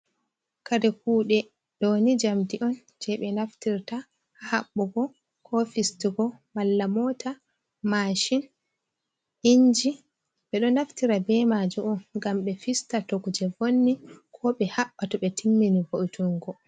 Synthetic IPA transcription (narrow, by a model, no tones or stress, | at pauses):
kadɛk̚uːɗɛ | ɗonid͡ʒamdiʔɔn | d͡ʒɛɓɛnaftiɾta | haɓːɔɡɔ | kʰɔfistiɡɔmalːamɔta | maʃin | ʔiɲd͡ʒi | ɓɛɗɔnaftiɾabɛmad͡ʒuɔnɡamɓɛfistatokud͡ʒɛvonːikʰɔɓɛhaɓːatɔɓɛtʰimːinivoʔitʰuŋɡɔ